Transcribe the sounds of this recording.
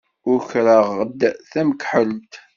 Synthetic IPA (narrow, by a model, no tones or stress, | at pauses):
ʊɾçɾəʁəd̪ːθæməkħəlt̪